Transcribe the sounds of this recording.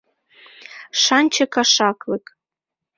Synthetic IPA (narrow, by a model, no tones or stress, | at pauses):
ʃɑnʲt͡ɕɤkɑʃɑklɤ̆k